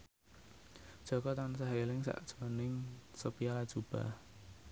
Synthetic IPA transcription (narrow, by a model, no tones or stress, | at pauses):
ʒ̥ɔ̤kɔt̪ansaɦelɪŋsa̰ʔd̥ʒ̥ənɪŋsopialad̥ʒ̥ub̥a̰h